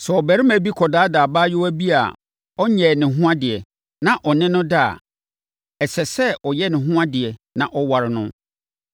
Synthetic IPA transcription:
sɛ˨ɔ˨bæ˨ɾɪ˦mæ̃˨bi˦kʰɔ˨daː˨˦daː˨baː˦jɪ˦wæ˦bi˦a̰˨ | ɔ˦ɲɛ˨nɪ̃˨ɦũ˦ã˦dɪ˨ɛ˨ | nã˦ʔɔ˨nɪ̃˦nʊ̃˦da˦a̰˨ | ɛ˨sɛ˨sɛ˦ɔ˨jɛ˦nɪ̃˨ɦʊ̃˦ã˦dɪ˨ɛ˨nã̰˨ʔɔ˦wa˨ɾɪ˨nʊ̃˦

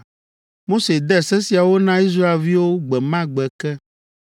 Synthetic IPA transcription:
mo˦se˨d̪ɛ˦˨sɛ˦si˨a˨wo˦nã˦i˦s̬ɾa˦e˨lvi˦wo˦ɡ͡bɛ˨mã˦ɡ͡bɛ˨kɛ˦

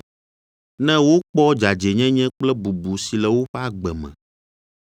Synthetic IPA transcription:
nɛ̃˦wo˦k͡pɔ˦d͡ʒa˨d͡ʒɛ˨ɲɛ̃˦ɲɛ̃˦k͡plɛ˦bu˨bu˨si˨lɛ˨wo˦ɸɛ˦a˦ɡ͡bɛ˨mɛ̰̃˨

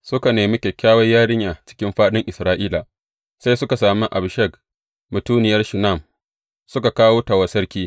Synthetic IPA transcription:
sʊ˦ka˨neː˨mi˦kʲe˨kʲaː˦wɐ˦jːaː˦ɽɪ˦ɲjaː˨t͡ʃɪ̥˦kʲɪ˦mɸaː˦ɗɪ˦ŋʔɪ˨sɾaː˦ʔiː˦la˨ | sa˦jsʊ˦ka˨saː˨mi˦ʔa̰˨bʃɛ˦˨k | mʊ˨tuː˦nɪ˨jɐ˦rʃʊ˨na˦˨m | sʊ˦ka˨kaː˦woː˦ta˨wɐ˨˦sɐ˦rkʲiː˦

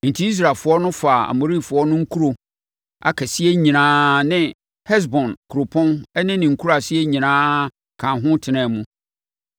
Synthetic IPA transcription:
n̩˨tʰi˦i˦s̬ɾa˨fʊ˨˦ɔ˦nʊ̃˦fa˨a̰˨mo˨ɾi˦fʊ˨ɔ˦nʊ̃˦ŋ̩˦kʰu˦ɾo˨ | a̰˨kʰɛ˨sɪ˦ɛ˦ɲĩ˨nãː˦nɪ̃˦ | hɛ˦s̬bɔ̃˨nkʰu˨ɾo˨pʰɔ̃˦nɛ˦nɪ̃˦nɪ̃˨ŋ̩˨kʰu˦ɾa˨sɪ˦ɛ˦ɲĩ˨nãː˦ | kʰã˨ɦʊ̃˦tʰɪ˨nɛ̃˨mũ˨˦

